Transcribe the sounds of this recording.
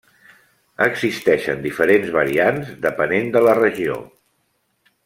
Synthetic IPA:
əɡzist̪ɛʃə̰nd̪ifəɾenzβəɾianzd̪əpənend̪ələrəʒio̰

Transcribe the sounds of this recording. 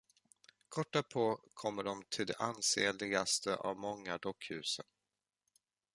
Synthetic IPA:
kʰɔʈːapʰɔkʰɔmːəɖɔmt̪ʰɪld̪ɛʔanseːlɪɡast̪ʰəʔa̰vmɔŋːad̪ɔkːhʉ̟ːsən

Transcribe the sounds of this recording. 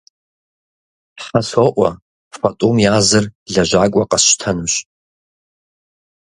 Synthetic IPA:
ħaswaʔʷa | fatʼomjazɨrɮaʒʷakʷʼaqʼaʃʷtʰanɨmʃʷ

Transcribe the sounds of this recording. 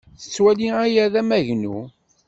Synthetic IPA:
θə̥t͡sːwæliæjæðæmæʝnṵ

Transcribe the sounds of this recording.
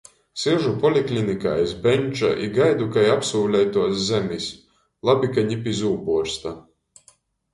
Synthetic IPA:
siʒupɔlʲiklʲinika̰ːjsbɛnʲt͡ʃa̰ʔiɡajd̪ukajapsuːlʲɛjt̪uɔszɛmʲis | lˠabʲikaɲipʲizuːpuɔɾst̪a

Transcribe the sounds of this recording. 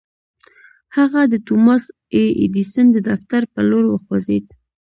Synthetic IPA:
haɣad̪ət̪umɑs | eʔḭd̪isənd̪əd̪aft̪aɾpəloɾwəxwazed̪

